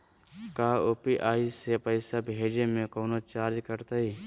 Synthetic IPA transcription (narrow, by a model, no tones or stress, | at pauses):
kaːoːpiʔaːisepəɪsabʱeːd͡ʒemẽkoːnot͡ʃaːɾikəɾt̪aiː